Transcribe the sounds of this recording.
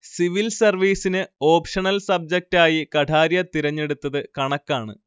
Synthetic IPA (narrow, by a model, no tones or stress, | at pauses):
siʋilsɐrʋiːsinɨo̞ːpʂɐɳɐlsɐb̚d͡ʑɐk̚taːjikɐʈʰaːɾjɐt̪iɾɐɲːe̞ɽut̪ːɐðɨkɐɳɐkːaːɳɨ̰